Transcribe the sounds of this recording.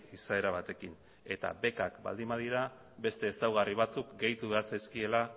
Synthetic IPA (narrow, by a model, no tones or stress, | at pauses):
isae̞ɾaβ̞at̪e̞kin | e̞t̪a̰be̞kakba̰ld̪imbaðiɾa | be̞st̪e̞ːsawɣ̞ariβ̞at͡sukɡe̞jt̪uβe̞aɾsajskie̞la